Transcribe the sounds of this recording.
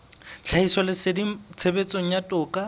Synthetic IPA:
t͡ɬʰaiswalɪsɪdit͡sʰebet͡sʼoŋ̩jatʼʊːkʼa

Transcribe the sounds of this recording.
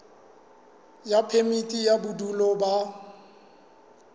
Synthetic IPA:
japʰemitʼijabudulɔba

